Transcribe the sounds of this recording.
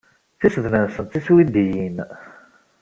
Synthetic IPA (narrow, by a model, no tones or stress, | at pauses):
θisðnənsənt̪iswid̪ijin